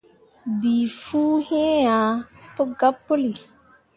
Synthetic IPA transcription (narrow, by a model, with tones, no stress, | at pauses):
bi˨fuː˦hẽ˦a˨pə˦ɡa˦pːo˦li˨